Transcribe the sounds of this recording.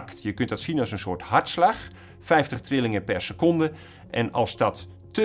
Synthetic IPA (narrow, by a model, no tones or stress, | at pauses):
ktjəkøntdɔtsinɔlˠsənsoːrthartslax | fɛjftəxtrɪlˠɪŋəpɛrsəkɔndə | ʔɛnɑlˠzdɔtː | ə